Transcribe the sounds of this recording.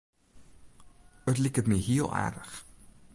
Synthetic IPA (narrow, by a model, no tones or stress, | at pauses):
ətlikətməjɦiəlˠʔæ̰ːrdəχ